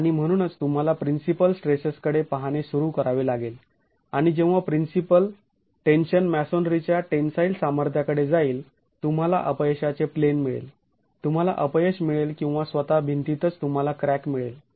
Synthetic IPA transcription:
aɽ̃im̤əɽ̃uːnət͡st̪um̤alapɾinsipəlsʈɾesəskəɽepəɦañesuɾukəɾaʋelaɡel | aɽ̃id͡ʑẽw̃ʋapɾinsipəl | ʈenɕənmæsonɖɾit͡ɕjaʈensailsaməɾt̪ʰjakəɽed͡zaiːl | t̪um̤ala̰ʔəpjəɕat͡seplenmiɭḛl | t̪um̤ala̰ʔəpəjəɕmiɭelkĩw̃ʋasʋət̪abʱint̪it̪ət͡st̪um̤alakɾækmiɭḛl

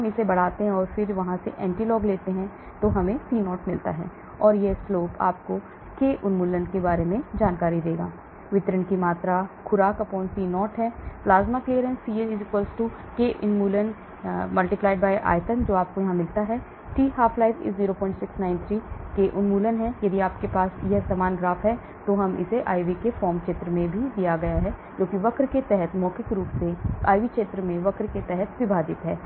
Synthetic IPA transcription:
ɐmɪsebɐɽ̤aːt̪eɦɛ̃ɔːɾfɪɾʋɐɦãsḛʔɛ̰̃ːɳʈilɔːɡleːt̪eɦɛ̃ | t̪oɦɐmẽsiːnɔːʈmɪlt̪a̰ɦɛ̰ː | ɔːɾjesloːpa̰ːp̚ko | keʔʊnmuːlənkebaːɾemẽd͡ʒaːnkaːɾid̪eːɡa̰ː | ʋɪt̪ɾənkimaːt̪ɾakʰʊɾaːkɐpoːnsiːnɔːʈɦɛːplaːzmakleːəɾɛ̃nsiːeɪd͡ʒɪkʋəlsʈuː | keʔʊnmuːlən | mɐlʈɪplaːɪɖbaːjʔa̰ːjt̪ənd͡ʒoːaːp̚kojɐɦãmɪlt̪aɦɛː | ʈiːɦaːfʰlaːɪʋɪ̰ziːɾopɔ̃ːɪ̃nʈsɪksnaːɪnt̪ʰɾiːkeʔʊnmuːlənɦɛ̃ːjɐd̪iaːpkepaːsjɐɦsaːmaːnɡɾaːfʰɦɛː | t̪oɦɐmɪ̰seʔaːiʋikefɔːɾmkʃeːt̪ɾəmẽbʱid̪ijaɡɐjaɦɛ | d͡ʒoːkiʋɐkɾket̪ɛɦət̪mɔːkɪkɾuːpsea̰ːjʋikʃeːt̪ɾəmẽʋɐkɾket̪ɛɦɛt̪ʋɪbʱaːd͡ʒ̪ɪt̪ɦɛː

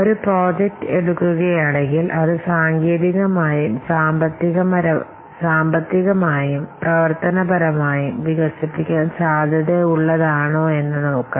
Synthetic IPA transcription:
oɾupro̞ːd͡ʑek̚ʈɨeɽukːuɣɐjaːɳeŋɡilʔɐðɨsaːŋɡeːðiɣɐmaːjumsaːmbɐt̪ːiɣɐmɐɾɐ | saːmbɐt̪ːiɣɐmaːjumprɐʋɐrt̪ɐnɐbʱɐɾɐmaːjumʋiɣɐsipːikʲːaːnsaːd̪ʱɐðeuɭːɐðaːɳoːe̞nːɨnoːkːɐ

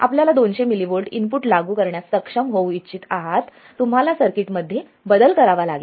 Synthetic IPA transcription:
a̰pljalad̪onɕemiliboɭʈinpuʈlaɡuːkəɾɳjasːəkʂəmɦowitːt͡ɕit̪aɦat̪ː | um̤alasəɾkiʈməd̪ʱːje | bəd̪əlkəɾaʋalaɡe

